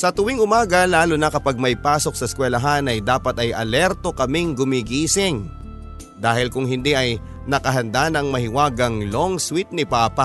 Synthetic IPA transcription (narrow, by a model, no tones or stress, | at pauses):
sɐt̪ʊwiŋʔʊmaːɡɐlaːlʊnɐkɐpaɡ̚mɐjpaːso̞k̚sɐskwɛlɐɦanɐjd̪aːpɐt̪ɐjʔɐ̰lɛɾt̪o̞kɐmɪŋɡʊmiɡiːsɪŋ | d̪aːhɪlkʊŋɦɪnd̪iʔɐj | nɐkɐɦɐnd̪anɐŋmɐhɪwaːɡɐŋloŋswɪt̪̚nɪpaːpa